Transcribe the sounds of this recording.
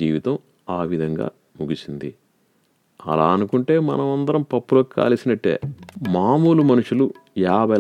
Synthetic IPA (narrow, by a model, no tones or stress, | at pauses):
ḭːʋit̪ɐm | aːʋid̪ʱɐŋɡa̰ː | muɡisind̪i | ɐ̰laːɐnukuɳʈe̞ːmɐ̰nɐmɐnd̪ɐɾɐmpɐpːuloːkːika̰ːlisinɐʈːḛːmaːmuːlumɐnuʂulujaːbɐ